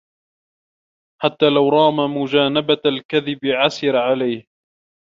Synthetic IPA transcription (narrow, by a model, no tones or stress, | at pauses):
ħat̪ːaːlawɾˤɑːmamʊd͡ʒaːnabalkaðɪbɪʕasɪɾaʕalajh